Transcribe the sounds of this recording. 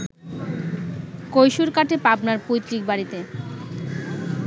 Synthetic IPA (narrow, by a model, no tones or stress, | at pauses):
kojʃuɾkaʈepapnaɾpujt̪ɾik̚baɾit̪e